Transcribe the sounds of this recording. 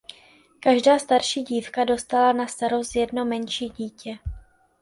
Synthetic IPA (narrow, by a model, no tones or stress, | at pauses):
kaʒdaːst̪aɾʃiːɟiːfkado̞st̪alanast̪aɾosjɛdnomɛnʃiːɟiːcɛ